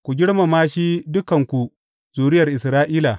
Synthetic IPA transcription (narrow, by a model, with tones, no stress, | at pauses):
kʷu˨ɡʲɪ˦ɽma˨maː˦ʃi˦dʊ˦kɐ˨ŋkʷu˨ | zuː˨ɾɪ˦jɐ˨rʔɪ˨sɾaː˦ʔiː˦la˨